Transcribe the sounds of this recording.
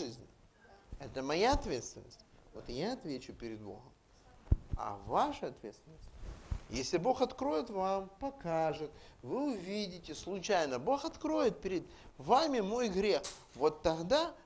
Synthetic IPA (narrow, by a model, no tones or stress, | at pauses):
ɨzʲnʲ | ɛt̪əmɐjaɐt̪vʲe̞t̪st̪vʲɪnːə̰sʲtʲvo̞t̪jaɐt̪vʲet͡ɕʊpʲɪɾʲɪd̪̚bo̞̰ɣəm | ɐ̰vaʂɨɐt̪vʲet̪st̪vʲɪnːəsʲtʲjesʲlʲɪbo̞xɐt̪kɾo̞jɪt̪vampɐkaʐɨt̪vɨʊvʲidʲɪtʲɪslˠʊt͡ɕajnəbo̞xɐt̪kɾo̞jɪt̪̚pʲɪɾʲɪd̪ | vamʲɪmo̞jɡɾʲe̞x | vo̞t̪ːɐɣd̪a